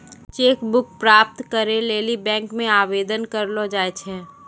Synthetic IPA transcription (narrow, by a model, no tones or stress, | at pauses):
t͡ʃeːkbʊk̚pɾaːp̚t̪kəɾeleːlibɛ̃ːŋkmẽaːʋeːd̪ənkəɾlod͡ʒaːet͡ʃʰɛː